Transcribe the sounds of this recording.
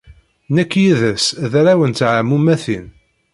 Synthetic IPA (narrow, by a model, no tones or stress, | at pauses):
nækːjiðəsðɾawənt̪ʕamːumæθin